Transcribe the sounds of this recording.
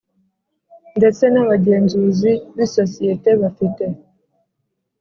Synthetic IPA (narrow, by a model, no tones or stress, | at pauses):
ndɛt͡senaβaɟenzuziβisosijeteβafite